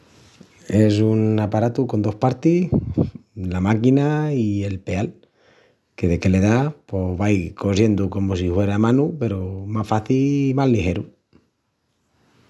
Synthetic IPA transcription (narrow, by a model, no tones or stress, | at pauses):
e̞s̬unapaɾat̪uko̞nd̪o̞hpaɾt̪i | lamakinaie̞lpe̞al | ke̞ðe̞ke̞le̞ðapo̞βajko̞sje̞nd̪uko̞mos̬ihwe̞ɾamãnupe̞ɾomasfaθilimazlixe̞ɾu